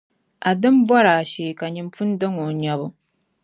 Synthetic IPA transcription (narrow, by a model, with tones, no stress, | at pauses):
a˨dɨ˦mbwa˦ɾa˨ʃeː˨ka˨ɲi˨mfu˦n˦dɨ˦ŋo˨ɲa˦bʊ˦